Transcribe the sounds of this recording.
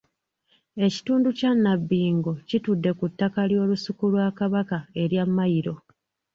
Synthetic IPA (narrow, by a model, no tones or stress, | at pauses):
e̞ci̥tuːnducanːabːiːŋɡo̞citudːe̞kutːakaljo̞ːlusikulwaːkaβakae̞ɾjamːajiɾo̞